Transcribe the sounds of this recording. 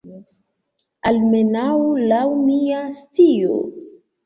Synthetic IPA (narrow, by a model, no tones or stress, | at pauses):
almenawlawniast͡sio̰